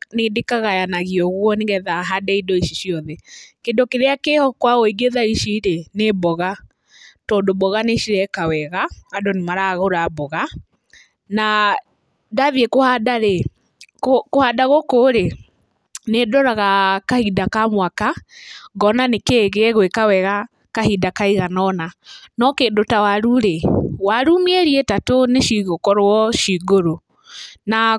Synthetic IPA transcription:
nedekaɣajanaɣiɔɣwɔneɣɛðaɦadɛidɔiʃiʃiɔðɛkendokeɾeakehɔkwaɣoiɡeðaiʃiɾenebɔɣa | tɔndobɔɣaneʃiɾɛkawɛɣaadonemaɾaɣoɾabɔɣa | na | davjekohadaɾe | kkohadaɣokoɾe | nedɔɾaɣakahidakamwakaɣɔnanekeɣeɣwekawɛɣa | kahidakaiɣanɔnanɔkedotawaɾuɾewaɾumieɾietatoneʃiɣokɔɾwɔʃiɣoɾo | na

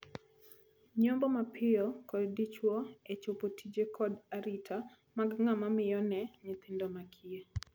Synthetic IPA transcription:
ɲɔmbɔmapʰɪɔkɔddit͡ʃwɔet͡ʃopotʰid͡ʒekʰɔdaɾitʰa | maɡŋamamɪjɔnɛɲɪt̪ɪndɔmakʰie

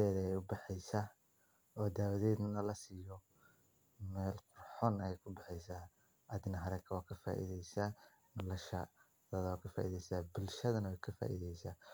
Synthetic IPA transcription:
ɛːðɛjʊbɑħɛjsaː | ɔːd̪aːwɐðɛːd̪nɐnɐlɐsiːjɔ | mɛːlqʊrħɔnɐjɛjkʰʊbɛħɛjsaː | ʔɐðɪnɐɦɐɾɛkʰɐwɑːkʰɐfa̰ːʔḭðɛjsaː | nɔlɐʃɐ̰ | ðɐːðɐwɑːkʰɐfa̰ːʔḭðɛjsaːbʊlʃɐðɐnɐwɛjkʰɐfa̰ːʔḭðɛjsaː

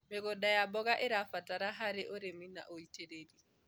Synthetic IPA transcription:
mɛɡɔɗajabɔɡaʔɛɾafataɾaɦaɾɛʔɔɾemina̰ʔoiteɾedi

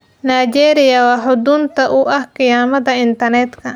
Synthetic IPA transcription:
najd͡ʒɛːɾɪjɐwɑħʊd̪ʊnt̪ʰɐʔʊʔɐhkɪjaːmɐd̪ɐɪnt̪ɐnɛt̪kʰɐ

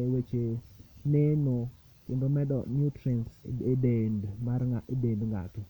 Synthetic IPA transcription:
ɛwet͡ʃeneno | kɪndomɛɗɔ̰njutɾinsedendmaɾŋaʔedendŋɡa̰to

